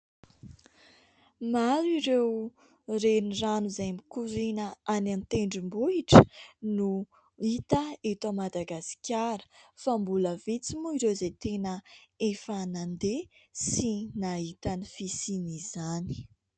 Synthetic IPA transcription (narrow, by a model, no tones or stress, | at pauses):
maliɾew | reniranuzajmikuɾinəanant̪eɳɖ͡ʐimbuiʈ͡ʂə̥nu | it̪əet̪omad̪aɡasi̥kʲaɾə̥fambuləvet͡simuiɾewzet̪enəefanand̪esinaɦit̪anifisinizani̥